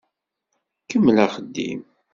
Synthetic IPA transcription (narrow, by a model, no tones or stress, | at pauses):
kəmːlæχəd̪ːḭm